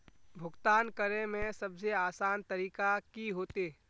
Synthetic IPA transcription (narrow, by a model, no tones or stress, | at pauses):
bʱʊɡt̪aːnkəɾẽmẽsəbseaːsaːnt̪əɾiːkakiɦoːt̪eː